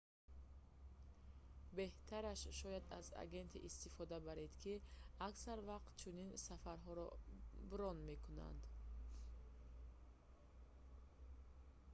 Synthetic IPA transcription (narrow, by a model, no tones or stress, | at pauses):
be̞ht̪ʰaɾaʃʃɔjad̪a̰za̰ɡe̞nt̪ʰiʔːst̪ifɔd̪abaɾed̪kʰiaksaɾvaqt̪t͡ʃʰuninsafaɾɦɔɾɔ̰bɾɔnmekʰuna̰nd̪